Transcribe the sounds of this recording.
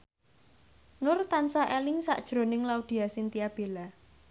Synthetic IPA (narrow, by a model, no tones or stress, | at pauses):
nʊrt̪ansaʔelɪŋsa̰ʔd̥ʒ̥ɾo̤nɪŋlaud̪̥i̤asint̪iab̥ela